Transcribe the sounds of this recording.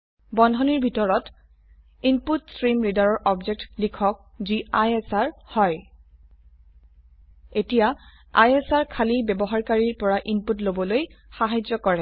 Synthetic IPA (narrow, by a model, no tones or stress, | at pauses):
bɔndʱɔniɹbʱitɔɹɔt | imputsɹimɹidaɹɔɹʔɔbzɛk̚tlikʰɔk̚ziajesaɹhɔj | etija | ajɛsaɹkʰalibɛbɔɦaɹkaɹiɹpɔɹaʔimputlobɔlojxaɦajd͡ʒɔkɔɹɛ